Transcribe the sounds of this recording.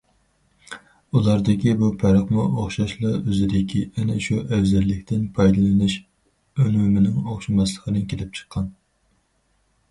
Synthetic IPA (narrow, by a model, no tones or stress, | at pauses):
ulˠɑɾd̪ɪkʲibupʰæɾəχmuʔoχʃɑʃlˠɑøzɪd̪ɪkʲʰiɛnɪʃuʔɛwzælːɪkʲt̪ʰɪnpʰɑjd̪ɨlˠɨnɨʃ | ønumɪnɪŋoχʃimɑslˠəqənɨnkʲʰelɪp̚t͡ʃʰə̥qʰːɑn